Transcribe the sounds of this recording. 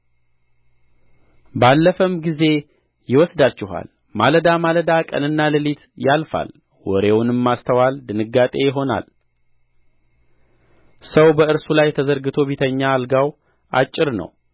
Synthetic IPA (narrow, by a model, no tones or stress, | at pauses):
balːəfəmɡize̞ | jɪwɔsd̪at͡ʃːɪɦa̰l | maləd̪amaləd̪akʼə̰nɨnːalɨlit̪ʰjalfa̰l | wɔ̰ɾe̞wʊnɨmːast̪ʰəwald̪ɨnɨɡːat̪ʼe̞jɪɦo̞na̰l | səwbəɨɾsulajt̪ʰəzəɾɡɨt̪ʰo̞βit̪ʰəɲːaːlɡaw | ʔa̰t͡ʃʼːɪɾnə̰w